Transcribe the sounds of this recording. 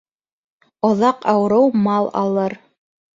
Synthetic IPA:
ŏðɑqɑwɾɤwmɑlˠɑ̰lˠɤɾ

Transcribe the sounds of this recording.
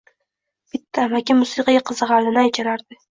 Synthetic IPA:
b̥ɪt̪ʰːamakʲɪmʊsɨqɑjʲaqʰɨzɨʁɑɾd̪ɪnɪajt͡ʃʰaɾaɾd̪ɪ

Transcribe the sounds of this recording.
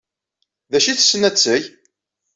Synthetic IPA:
ðæʃiθsːənæt͡sːəj

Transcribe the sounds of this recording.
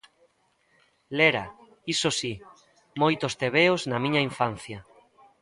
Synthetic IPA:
leɾa̰ | isosi | mojt̪ost̪eβeoznamĩɲaiɱfan̟θja

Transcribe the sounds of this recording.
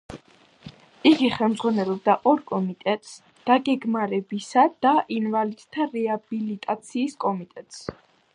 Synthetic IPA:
iɡiχɛlˠmd̪zʁwanɛlˠɔb̚d̪aʔɔɾkʼɔmit̪ʼɛt̪ʼs | d̪̥aɡɛɡmaɾɛbisad̪̥aʔinvalid̪̥t̪ʰːaɾɛabilit̪ʼat̪sʰiːskʼɔmit̪ʼɛt̪ʼs

